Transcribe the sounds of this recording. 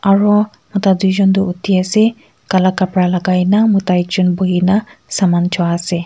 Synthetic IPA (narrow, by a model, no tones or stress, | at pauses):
aɹu | mɔt̪ad̪uzɔnd̪uut̪iasɛ | kalakapɹalaɡajnamɔtajd͡ʒɔnbɔɦinasamant͡ʃʰɔaasɛ